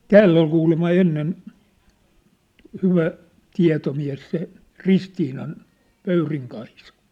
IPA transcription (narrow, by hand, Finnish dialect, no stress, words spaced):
tæːlː ol kuːlemːɑ enːen hyʋæ tiɑ̝tomiæ̝s se ristiːnɑn pøyriŋ kɑisɑ